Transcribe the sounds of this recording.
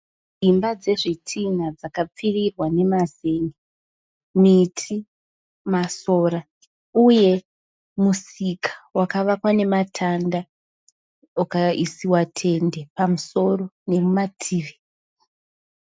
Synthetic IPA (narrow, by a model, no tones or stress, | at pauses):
d͡zimbad͡ze̞ʐitʰinad͡zakap͡firirwane̞mazeŋɡe | mitʰi | masoːɾa | uje̞ | musikʰḁwakaʋakwane̞matʰanda | akaisiwatʰe̞nde̞pamuso̞ro̞ne̞mumatʰiːre